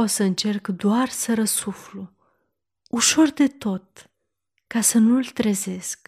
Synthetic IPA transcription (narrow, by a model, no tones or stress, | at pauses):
o̞səɨnt͡ʃe̞rkd̪oarsəɾəsuflu | uʃo̞rd̪e̞t̪o̞t̪ː | asənult̪ɾeze̞sk